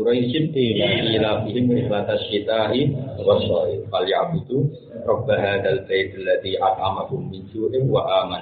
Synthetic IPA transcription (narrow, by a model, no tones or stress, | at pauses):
ɾajsɪnt̪imʔilafihɪmɪxlat̪aʃit̪aːɦiwasɑʔɪfaljaʕbud̪u | ɾˤɑbːaɦaːðalbajt̪alːaðiʔɑt̪̚ˤʕamakʊmːɪnt͡ʃuːʔɪnwaʔaːman